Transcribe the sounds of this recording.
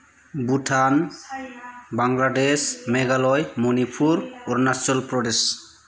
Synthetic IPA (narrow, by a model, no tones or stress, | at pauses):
butʰan | baŋladesmɛɡalɔjmɔnipʰuɾɔɾnasɔlpɾɔdes